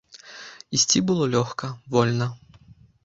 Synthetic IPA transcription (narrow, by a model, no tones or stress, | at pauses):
isʲt͡sʲibɨlˠɔlʲɔxkɐvɔlʲnɐ